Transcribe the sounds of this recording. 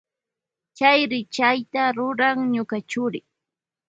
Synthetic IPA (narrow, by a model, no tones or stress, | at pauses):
t͡ʃajɾɪt͡ʃajt̪aɾʊɾaŋɲʊkat͡ʃʊɾɪ